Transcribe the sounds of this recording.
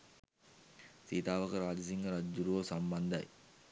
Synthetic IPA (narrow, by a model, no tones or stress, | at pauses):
siːt̪aːʋɐkɐɾaːd͡ʒɐsiŋɡɐɾad͡ʒːuɾuʋosɐmbɐnd̪ɐ̰j